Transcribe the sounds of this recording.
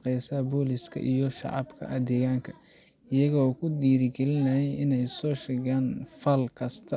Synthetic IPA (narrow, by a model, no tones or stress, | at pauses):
qɛjsaːbɔːlɪskʰɐ̰ʔijɔʃɑ̰ʕɑ̰bkʰɐ̰ʔɐd̪ɛːɣaːŋkʰɐ | ɪjɐɣɔːkʰʊd̪iːɾɪɡɛlɪnɐɦɛjɪnɛjsɔːʃɛɣaːnfɐlkʰɐst̪ʰɐ